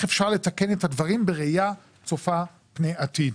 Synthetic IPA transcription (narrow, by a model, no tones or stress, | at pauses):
χefʃaʁle̞take̞nethadvaʁimbeʁeja | t͡sofa | pnejatid